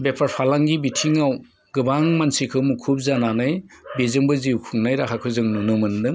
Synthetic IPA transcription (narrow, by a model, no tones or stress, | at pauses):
bepʰaɾpʰalaŋɡibitʰiŋaw | ɡɯbaŋmansikʰɯwmukʰup̚zananɯjbezɯŋbɯziwkʰuŋnajɾakʰakʰɯzɯŋnunɯmɯndɯŋ